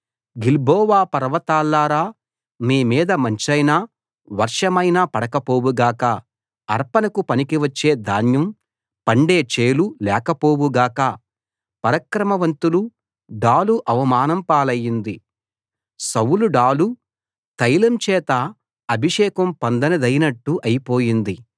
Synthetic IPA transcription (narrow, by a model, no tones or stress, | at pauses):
ɡilbʱɔːʋaːpɐɾɐʋɐt̪aːlːaːɾaː | miːmiːd̪ɐmɐɲt͡ʃɐjnaː | ʋɐɾʂɐmɐjnaːpɐɽɐkɐpoːʋuɡaːkɐː | ɾpɐnɐkupɐnikiʋɐt͡ʃːe̞ːd̪ʱaːnjɐm | pɐɳɖe̞ːt͡ʃeːlulɛːkɐpoːwuɡaːkɐ | pɐɾɐkɾɐmɐʋɐnt̪ulu | ɖaːluʔɐʋɐmaːnɐmpaːlɐjːind̪i | sɐwuluɖaːlu | t̪ɐjlɐmt͡ʃɛːt̪ɐ | ɐbʱiʂɛːkɐmpɐnd̪ɐnɐd̪ɐjnɐʈːuʔɐjipo̞ːjind̪i